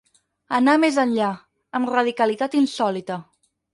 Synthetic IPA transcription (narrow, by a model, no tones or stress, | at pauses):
ənamezənʎa | əmrəðikəlit̪at̪insɔlit̪ə